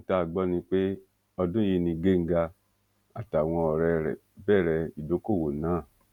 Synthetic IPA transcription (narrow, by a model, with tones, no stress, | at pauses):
ta˦˨ɡ͡bɔ˦nĩ˧k͡pe˦ | ɔ˧dũ˦ji˧nĩ˧ɡe˦˨ŋ̩˦ɡa˧ | a˨ta˨w̃ɔ̃˧ɔ˧˨ɾɛ˧ɾɛ̰˨ | bɛː˦˨ɾɛ˧i˨do˨˦ko˦˨wo˨nãː˨˦˨